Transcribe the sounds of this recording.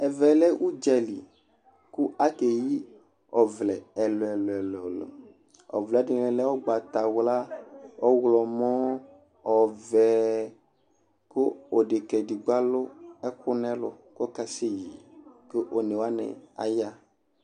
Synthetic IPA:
ɛ˨vɛ˨lɛ˦ʔu˦d͡ʒɛ˦lḭ˨ | ku˦a˦ke˨ji˦ | ɔ˨vlɛ˨ɛ˨lo˨ɛ˨lo˨ɛ˨lɛ˨lo̰˨ | ɔ̰˨vlɛ˨˦di˨nɛ̃˨lɛ˦wo˦ɡ͡ba˨t̪a˨wla˦ɔ˦wlɔ˨mɔ̃˦ | ɔ˨vɛ˨ | ko˦o˨ɖe˨kɛ˨di˨ɡ͡ba˦lʊ˦ɛ˦kʊ˦nɛ̃˦lʊ̰˨kɔ˦ka˦se˦ji˨ke˦ʔo˨nɛ̃˨wa˦nɛ̰̃˨a̰˨ja˦

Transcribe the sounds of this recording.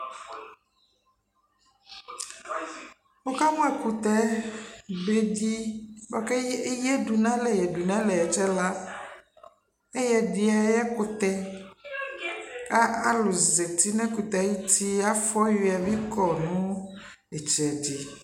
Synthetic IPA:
wo˦ka˦mũ˦ɛ˦˨ku˨t̪ɛ˦ | be˦di˦bɔ˨ke˦jɛ˦ɖu˨nã˦lɛ˨jɛ˨ɖu˨nã˦lɛ˨ɛ˨t͡ʃɛ˦la˦ | e˦jɛ˦ɖi˨a˨jɛ˦ko˦t̪ɛ˦ | a˦a˦lo˨ze˨t̪i˦nɛ̃˦ku˨t̪ɛ˨a˨ji˦t̪i˦a˦fɔ˦ju˨˦a˨vi˦kɔ˨nũ˦ | ɛ˨t͡ʃɛ˨d͡ʒi˨

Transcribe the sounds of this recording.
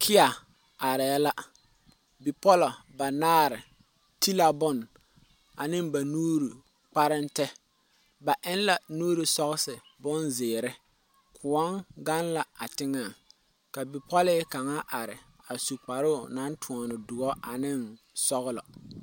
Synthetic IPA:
kʰɪ˦a˨ | a˨ɾɪ˨ja˦la˦ | bɪ˨pɔ˦lɔ˨ba˨naː˦ɾɪ˨ | ti˦la˨bʊ˦˨n | a˨nɪ˦mba˨nuː˦ɾi˨ | k͡pa˦ɾɪ˦ntɛ˦ | ba˨ʔɪ˦n˦la˨nuː˦ɾi˨sɔ˦ɣɪ˦sɪ˨bʊ˦nzɪː˨ɾɪ˦ | kʰʊ˨ɔ˦ŋɡa˦nla˨a˨tɪ˦ŋa˨ŋ | ka˨bɪ˨pɔ˦lɪ˦ka˨ŋa˦ʔa˨ɾɪ̰˨ | a˨su˨k͡pa˨ɾʊ˦˨na˦n˦tʰʊ˨ɔ˨nɪ˨dʊ˨ɣɔ˦ʔa˨nɪ˦n | sɔ˦ɣʊ˦lɔ̰˨

